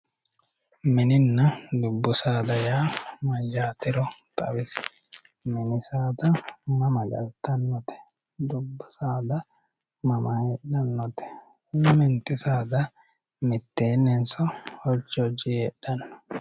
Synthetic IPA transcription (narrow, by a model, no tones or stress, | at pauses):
mɪnɪnːɐd̪ʊbːʊsaːd̪ɐjaːmɐjaːt̪ɪɾɔt̪ʼɐ̰wɪs | mɪnɪsaːt̪ɐmɐmɐd͡ʒɐ̰lt̪ːɐnːɔt̪ɛ̥ | d̪ʊbːʊsaːd̪ɐ | mɐmɐheɗɐnːɔt̪ɛ̥ | mɪnt̪ːɪsaːd̪ɐ | mɪt̪ːe̞ːnɛnsɔhɔt͡ʃːɔd͡ʒiɛᶑɐnːɔ̥